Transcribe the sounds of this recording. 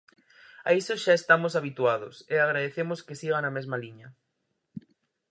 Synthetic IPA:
a̰isoʃaest̪amosaβit̪uað̞ʊseaɣɾaðeθemoskesiɣanɐmezmaliɲɐ

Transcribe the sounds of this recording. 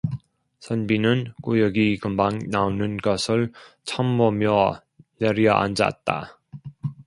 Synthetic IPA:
sʰʌnbinɯnkujʌɡikɯmbaŋnaonɯnɡʌsʰɯɭt͡ɕʰambʌmjʌ | neɾiʌʔa̰nd͡ʑa̰t̚t͈a̰

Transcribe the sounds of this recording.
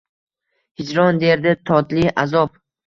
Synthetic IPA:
hɪd͡ʒɾɒnd̪eɾd̪ɪt̪ʰɒt̪liazɒp

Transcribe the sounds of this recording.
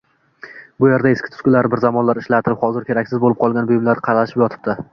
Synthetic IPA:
bʊjeɾd̪aeskʲɪ̥t̪ʊ̥skʲʊlaɾɪbɪɾzamɒnlaɾɪʃlat̪ʰɪɾɪphɒzɪɾkʲʰe̞ɾakʲsɪzbolɪp̚qʰɒlˠɡʲanbʊjɪmlaɾqʰɑɾalaʃɪpjɒt̪ʰɪ̥p̚d̪ɪ

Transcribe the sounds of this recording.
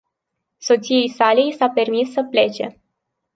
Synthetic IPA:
so̞t̪sije̞jsalejsape̞rmisːəple̞t͡ʃe̞̰

